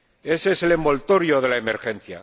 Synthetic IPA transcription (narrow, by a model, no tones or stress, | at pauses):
e̞sese̞le̞mbo̞lt̪o̞ɾjo̞ð̞e̞laemeɾxe̞n̟θja̰